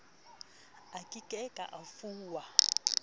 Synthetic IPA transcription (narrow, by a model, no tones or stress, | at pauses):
akʼikʼɛkʼa̰ʔafuːwa